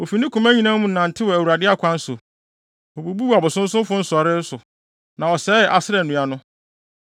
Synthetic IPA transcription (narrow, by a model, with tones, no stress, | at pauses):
o˨fi˨nɪ̃˦kʰũ˨mæ˦ɲĩ˨nã˦mũ˨n̩˨nã˨n̩˨tʰɪ˦wɔ˨æ˨wu˨ɾa˨dɪ˦a˦kʷʰã˦n̩˦sʊ̰˨ | o˨bu˨bu˦wa˨bʊ˨sʊ̃˦n̩˦sʊ̃˦m˦fʊ̃˦n̩˦sʊ˨ɔ˨ɾɪ˦sʊ˨ | nã˨ɔ˨sɛː˨˦ɛ˨ʔa˨sɪ˦ɾɛ˨nũ˨a˨nʊ̃˦